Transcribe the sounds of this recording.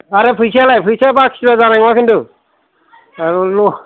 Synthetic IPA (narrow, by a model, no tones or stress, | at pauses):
aɾɯpʰɯjsalajpʰɯjsabakʰi̥sibazanaŋmakʰintu | aɾulɔ